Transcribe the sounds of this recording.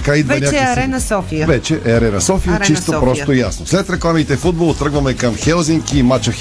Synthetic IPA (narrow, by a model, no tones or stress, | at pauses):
kaid̪vɐnʲakɾɛnɐsɔfivɛt͡ʃɛʔɛɐɾɛnɐsɔfijət͡ʃist̪opɾɔsojasnoslɛt̪ɾɛklˠamit̪ɛfud̪̚bolˠt̪ɾɤɡvɐmɛkɐmxɛlˠziŋkiːmat͡ʃɐx